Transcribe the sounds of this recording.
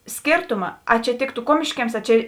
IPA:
ˈsʲkʲeːrtʊmɐ ɐ t͡ʃʲɛ ˈtʲeːktʊ ˈkuɔmʲɪʃʲkʲiɛms ˈɐ ˈt͡ʃʲɛ

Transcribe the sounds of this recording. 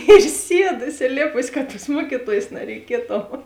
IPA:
ɪr ˈsʲiɛdʊ ɪsʲɪlʲˈeːpʊs ˈkɐ toːs ˈmuɔkʲɪtoːjeːs nɐrʲɛɪˈkʲiɛtʊ

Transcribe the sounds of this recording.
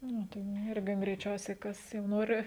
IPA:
ˈnʊ tɐɪ nʊ ˈɪrʲɡʲɪ ɡrʲɛɪˈt͡ʃʲɛʊsʲɛɪ ˈkɐs jɛʊ ˈnoːrʲɪ

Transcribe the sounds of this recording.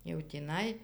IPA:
jɛʊ tʲiːˈnɐɪ

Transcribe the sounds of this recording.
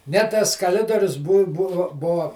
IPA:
nʲɛ ˈtɐs kɐˈlʲɪdoːrʲʊs bʊ ˈbʊʋʊ ˈbuɔ

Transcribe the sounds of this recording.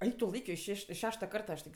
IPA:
ˈɐɪk tʊ ˈlˠɐɪkʲoː ɪʃ ˈʃʲɛʃʲ ɪʃ ˈʃʲæːʃtɐ ˈkɐrtɐ ɐʃ tʲɪk

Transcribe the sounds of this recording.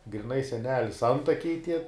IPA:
ɡrʲɪˈnɐɪ sʲɛˈnʲæːlʲɪs ˈɐntɐkʲɛɪ tʲiɛ

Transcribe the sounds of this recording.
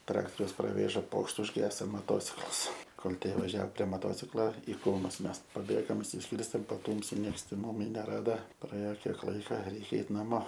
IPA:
ˈtrɑːktoːrʲɛʊs prɐˈʋʲeːʒɐ ˈpoːkʃt ʊʒʲˈɡʲæːsoː moːˈtoːt͡sʲɪklˠɐs ˈkoːlˠ ˈtʲiɛ ʋɐˈʒʲɛoː pʲrʲiɛ moːˈtoːt͡sʲɪklˠoː ɪ ˈkruːmʊs ˈmʲɛs pɐˈbʲeːɡoːm ɪʃʲsʲɪsʲˈkʲiːrʲsʲtʲeːm pɐˈtuːmʲsʲɪ ˈnʲiɛks tʲɛn ˈmʊmʲɪ nʲɛˈrɑːdɐ prɐˈeːoː ˈkʲiɛk ˈlˠɐɪkɐ ˈrʲɛɪkʲɛ ˈɛɪt nɐˈmoː

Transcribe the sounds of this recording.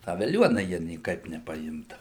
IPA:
ˈtɑː ʋʲɛˈlʲuɔnɐ ˈjiɛ nʲiɛˈkɐɪp nʲɛpɐˈɪmdɐʋʊ

